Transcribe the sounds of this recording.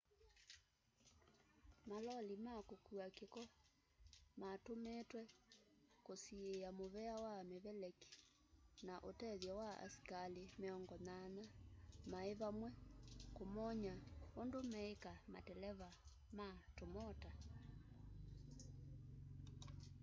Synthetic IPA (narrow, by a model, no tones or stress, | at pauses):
malɔlimakokuakekɔ | matometwɛ | kosieamoβɛawameβɛlɛki̥ | naʔotɛðjɔwaa̰si̥kalemeɔŋɡɔnanamaeβamwɛkomɔɲaondomɛekama̰tɛlɛβa | matomɔta